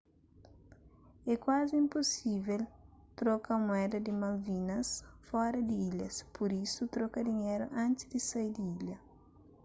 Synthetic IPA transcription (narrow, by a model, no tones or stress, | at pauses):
ɛkwaziĩmposivelt̪ɾɔkɐmuɛd̪ɐd̪imɐlvinɐsfɔɾɐd̪iiʎɐspʰoɾisut̪ɾɔkɐd̪iɲeɾʊ̰ʔãnt͡ʃ̪ɪzd̪isajd̪iiʎɐ